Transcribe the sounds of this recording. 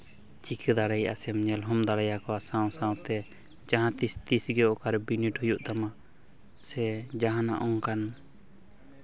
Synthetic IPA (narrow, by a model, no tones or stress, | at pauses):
t͡ʃikʰɛd̪aɾɛjʔa̰sɛmɲɛlɦɔmd̪aɽɛjakɔasãw̃sãwt̪ɛ | d͡ʒaɦãt̪ist̪isɡɛɔkaɾbiniʈhɔjuʔd̪ama | sɛd͡ʒaɦãna̰ʔɔŋkan